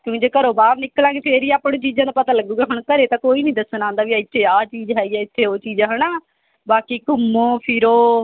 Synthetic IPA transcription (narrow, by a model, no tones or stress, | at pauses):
kjõːkːd͡ʒeːkəɾoːbaːɾnɪklãːɡeːpʰeːɾiːaːpɳõːt͡ʃiːd͡ʒãːd̪aːpət̪aːləɡuːɡɛːɦʊɳkəɾeːt̪ãːkoːiːnĩːd̪əsnãːnd̪aːʋiːaɪt̪ʃeːaːt͡ʃiːd͡ʒɦɛːiːɛːɪt̪ʰːeːoːt͡ʃiːd͡ʒãːɦənaː | baːkiːkʊmːõːpʰɪɾoː